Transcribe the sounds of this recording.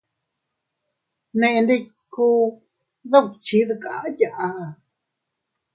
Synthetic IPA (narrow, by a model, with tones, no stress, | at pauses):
nẽ˧ʔndi˧ | ku˧ | ðu˦˨kt͡ʃi˨˦ðɨ˧ka̰˨˦ja˧ʔa˧˨